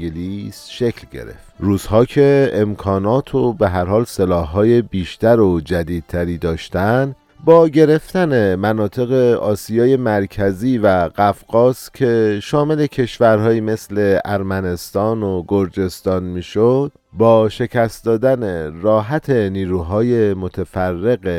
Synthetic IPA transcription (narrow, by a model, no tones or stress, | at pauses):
elisʃekʰlɡḛɾḛft̪ɾuːzhɒːcʰe̞emkʰɒːnɒːt̪ʰobe̞ɦæɾɦɒːlse̞lɒːhːɒːje̞biːʃt̪æɾod͡ʒæd̪iːd̪̚t̪ʰæɾiːd̪ɒːʃt̪ænd̪ | bɒːɟe̞ɾe̞ft̪æne̞mænɒːt̪ʰe̞ɣe̞ɒːsijɒːje̞mæɾkʰæziːvæɢæfɡɒːscʲʰe̞ʃɒːme̞le̞cʰe̞ʃvæɾɦɒːjiːme̞sle̞æɾmæne̞st̪ɒːnoɡo̞ɾd͡ʒe̞st̪ɒːnmiːʃod̪̥ | bɒːʃe̞cʰæst̪̚d̪ɒːd̪æneɾɒːɦæt̪ʰe̞niːɾuːɦɒːje̞mo̞t̪ʰefærːe̞ɣe